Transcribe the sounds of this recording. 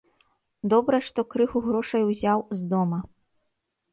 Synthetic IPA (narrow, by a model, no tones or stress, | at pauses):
d̪ɔbɾɐʂt̪ɔkɾɨxuɣɾɔʂɐjwzʲawzd̪ɔmɐ